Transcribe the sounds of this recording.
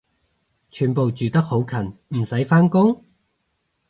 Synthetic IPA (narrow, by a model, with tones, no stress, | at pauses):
t͡ʃʰyː˨˩npo˨˧wt͡ʃyː˨t̪ɐ˥k̚ho˨˥wkʰɐ˨˩nm̩˨˩sɐ˨˥jfaː˥nkʊ˥ŋ